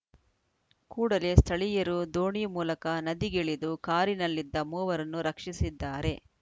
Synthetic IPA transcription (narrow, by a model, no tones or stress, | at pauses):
kuːɽɐle̞st̪ʰɐɭijɐɾud̪oːɳiːmuːlɐkɐnɐd̪iɡeɭid̪ukaːɾinɐlːid̪ːɐmuːʋɐɾɐnːuɾɐkʂisid̪ːaːɾe̞